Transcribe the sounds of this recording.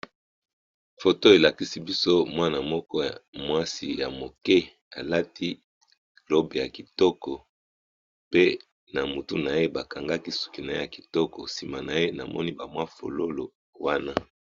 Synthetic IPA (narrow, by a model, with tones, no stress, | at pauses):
fo˨to˦e˨la˨ki˦si˦bi˦so˦mwa˦na˨mɔ˦kɔ˦a˨mwa˦si˨ja˨mo˨kɛ˦ | a˨la˦tʰi˦ | lo˦be˨ja˨ki˨tɔ˦kɔ˨ | pe˦ | na˨mu˨tu˦na˨je˦ba˨ka˨ŋɡa˦ki˦su̥˨ki˨na˨je˦a˨ki̥˨tɔ˦kɔ˨si˨ma˨na˨je˦na˨mɔ̰˦ni˦ba˨mwa˦fo̰˨lo˦lo˨ | wa˦na˦